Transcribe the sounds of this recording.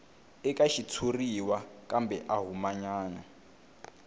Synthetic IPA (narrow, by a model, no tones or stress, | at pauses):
ɛkaʃitʰuriwakʼambɛʔaɦumaɲaːna